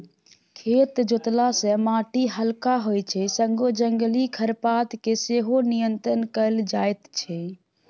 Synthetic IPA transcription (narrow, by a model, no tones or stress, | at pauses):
kʰet̪d͡ʒot̪lasẽmaʈiɦəlkaɦojt͡ʃʰɛsəŋɡod͡ʒəŋɡlikʰəɾpat̪keseɦonijənt̪ɾənkəld͡ʒajt̪t͡ʃʰɛ